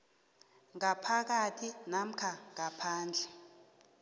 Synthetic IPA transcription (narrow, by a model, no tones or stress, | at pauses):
ŋapʰak̬atʰinam̩kʰaŋapʰaːnd͡ɮʱɛ